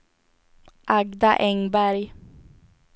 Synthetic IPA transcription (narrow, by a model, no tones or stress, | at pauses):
ʔaɡd̪aʔɛŋbæɾj